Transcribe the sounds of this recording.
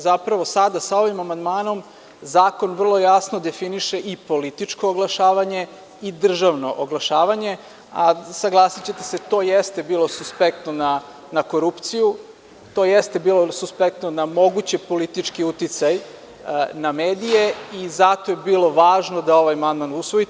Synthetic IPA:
zapɾaʋo̞sad̪asao̞ʋimamand̪maːno̞m | zaːko̞nvr̩lˠo̞jasnod̪e̞finiʃeʔipo̞lit̪it͡ʂko̞ːɡlˠaʃaːʋaɲe̞ | id̪r̩ʒaʋno̞ʔoɡlˠaʃaːʋaɲe̞ | asaɡlˠasit͡ɕe̞t̪ese̞t̪ojest̪e̞biːlˠo̞suspek̚t̪nona | nako̞ɾupt̪siju | t̪o̞jest̪ebiːlˠosuspek̚t̪nonamo̞ɡut͡ɕepo̞lit̪it͡ʂkiut̪it̪saj | nameːd̪ijeizat̪o̞jebiːlˠo̞ʋaːʒnod̪ao̞ʋajamand̪manusʋoi

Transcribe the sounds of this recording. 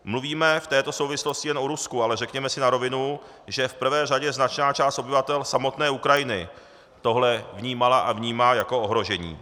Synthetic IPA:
mluviːmɛft̪ɛːt̪o̞so̞wvɪslo̞scɪjɛnʔoɾuskualɛrɛkɲɛmɛsɪnaɾo̞vɪnu | ʒɛfpr̩vɛːraɟɛznat͡ʃnaːt͡ʃaːst̪o̞bɪvat̪ɛlsamo̞t̪nɛːukɾajɪnɪ | t̪o̞ɦlɛvɲiːmalaʔavɲiːmaːjako̞oɦɾo̞ʒɛɲḭː

